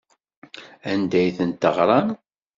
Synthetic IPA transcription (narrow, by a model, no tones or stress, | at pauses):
ænd̪æjθənt̪əʁɾˤɑn